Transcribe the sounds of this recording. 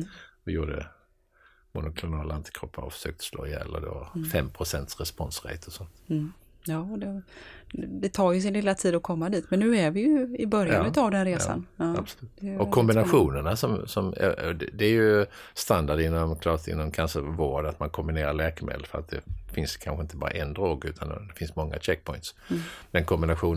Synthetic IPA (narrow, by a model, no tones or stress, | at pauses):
vajuːɖə̰ | mʊnʊkʰlʊnɑːlant̪ʰə̥kʰɾɔpʰːaɾɔfsøːk̚t̪ʰə̥slɔ̰ːɾɛɛ̰lːə̰d̪o̰ːfɛmːpʰɾʊsɛnt̪sɾɛspɔnsɾɛ̰t̪ʰɔsɔnt̪ | jɑːd̪ɛ | d̪ɛt̪ʰɑːɾjɵs̬ɪnlɪlat̪ʰiːd̪ɔkʰɔmːad̪iːt̪mɛnːʉ̟ːævɪjɪbœɾjanʉt̪avd̪ɛnɾeːsa̰nɑːabslʉːt̪d̪ɔkʰɔmbɪnaɧuːnəɳasɔmsɔmɛ̰d̪ɛd̪ɛːjɵst̪and̪aɖɪnːɔmkʰlɑːt̪ɪ̰nːɔmkʰanʂəvoːɖat̪mankʰɔmbɪneːɾaɭɛːkəmḛːd̪əfœɾat̪̚d̪ɛfɪnskʰanɧəɪnt̪əbɑ̰ːɾa̰ʔɛnd̪ɾoːɡʉ̟ːt̪ʰand̪̰d̪ɛfɪnsmɔŋːa̰t͡ʃɛk̚ːpʰɔjnt̪sd̪ɛnkʰɔmbɪnaɧuːn